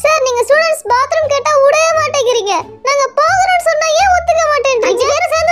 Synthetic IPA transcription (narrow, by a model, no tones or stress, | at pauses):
saːɾniːŋɡɐsuːɽɐɳʈsbaːt̪ɪɾɯmkeːʈːaːʊɽɐjɐmaːʈːeːŋkɡɪɾiːŋɡɐ | naːŋɡɐpoːɣɐɾõːnsɔnːaːẽːɔt̪ːɯkːɐmaːʈːeːnɖɪɾɪŋɡɐɛɾɐsaːn